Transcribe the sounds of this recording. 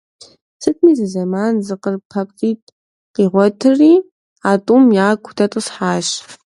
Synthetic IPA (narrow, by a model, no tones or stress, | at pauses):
sɨtʰʼmiːzɨzɐmaːnzɨqərpʰɐptiːtʰ | qiːʁʷɔtʰɨriː | aːtʼumjaːkʷʰʊ̥tʰɐtʼɨsħaːʃ